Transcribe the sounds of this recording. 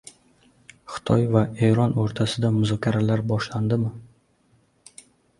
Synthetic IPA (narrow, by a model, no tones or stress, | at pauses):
χɪ̥t̪ʰɒjvae̞ɾɒnoɾt̪ʰasɪd̪amʊzɒkʲʰaɾalaɾbɒʃland̪ɪmɪ